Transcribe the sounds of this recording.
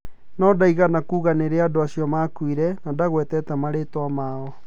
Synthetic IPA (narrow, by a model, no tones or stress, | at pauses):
nɔdaiɣanakuːɣaneɾeadoasiɔmakwiɾɛnadaɣwɛtɛtamaɾetoamaɔ